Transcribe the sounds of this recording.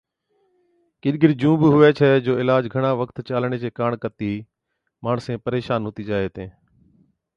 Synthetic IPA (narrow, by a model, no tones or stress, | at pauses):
kɪɗɡɪɾd͡ʒũːbɦʊʋɛːt͡ʃʰɛːd͡ʒoːɪlaːd͡ʒɡʱəɳ̃aːʋəkt̪t͡ʃaːlɳ̃eːd͡ʒeːkaːɳkət̪iː | maːɳsẽːpəɾeːʃaːnɦʊːt̪iːd͡ʒaːeːt̪ẽː